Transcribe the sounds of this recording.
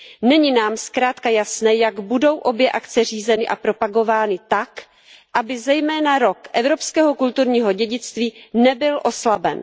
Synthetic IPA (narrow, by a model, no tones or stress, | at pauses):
nɛɲɪnaːmskɾaːt̪kajasnɛːjaɡbudo̞wʔo̞bjɛʔakt͡sɛr̝iːzɛnɪʔa̰pɾo̞paɡo̞vaːnɪt̪ak | ʔabɪzɛjmɛːnaɾo̞kʔɛvɾo̞pskɛːɦo̞kult̪uɾɲiːɦo̞ɟɛɟɪt͡st̪viːnɛbɪlʔo̞slabɛn